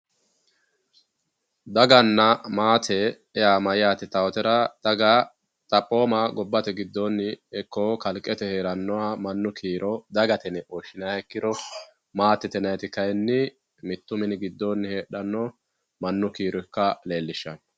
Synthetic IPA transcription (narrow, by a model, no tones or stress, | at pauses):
d̪ɐɡɐnːɐmaːt̪ʰɛ | ɛjaːmɐjɪjaːt̪ɪt̪ɐwɔt̪ɛɾɐd̪̥ɐɡɐ | t̪ʼɐpʼːo̞ːmɐɡɔbːɐt̪ɛɡɪd̪ːonːɪɛkːɔkɐlkʼːɛt̪ɛheːɾɐnːɔwamɐnːʊkʰiːɾʔɔd̪ɐɡɐt̪ɛnɛʔoʃɪnɐɛkːɪɾɔ | maːt̪ːɛt̪ɛnɐjt̪ɪkɐjnːɪ | mɪt̪ːʊmɪnɪɡɪd̪ːonːɪheːɗɐnːɔ | mɐnːʊkiːɾɔkːɐle̞ːlːɪʃːɐn